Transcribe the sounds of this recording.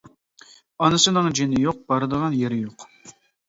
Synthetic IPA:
ɑnɨsɨnɨŋd͡ʒenɪjoq̚b̥ɑɾɨd̪əʁɑnjeɾɪjoq

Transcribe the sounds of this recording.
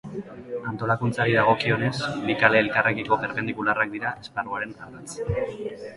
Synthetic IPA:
ant̪o̞lakunt͡saɾiðaɣ̞o̞kio̞ne̞sbikaleːlkarekiko̞βeɾpe̞nd̪ikularak̚d̪iɾaʔe̞sparuaɾe̞naɾat͡s

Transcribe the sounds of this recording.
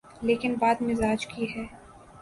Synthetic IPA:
leːkɪnbaːd̪mɪzaːd͡ʒkiɦɛː

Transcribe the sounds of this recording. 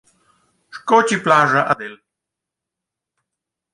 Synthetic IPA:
ʂkɔt͡ɕiplaːʐaʔad̪ɛl

